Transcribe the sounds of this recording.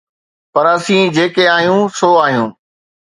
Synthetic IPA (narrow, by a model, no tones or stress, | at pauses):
pɐɾɐsĩːd͡ʑeːkeaːɦijũːsoːaːɦijũː